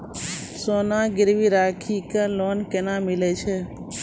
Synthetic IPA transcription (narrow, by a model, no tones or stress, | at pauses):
sonãɡɪɾʋiɾaːkʰikalonkenãmilet͡ʃʰe